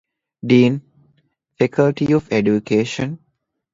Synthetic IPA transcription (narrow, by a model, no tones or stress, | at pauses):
ɖiːn | fekʰəlʈiɔʋeɖjukeːʃə̃n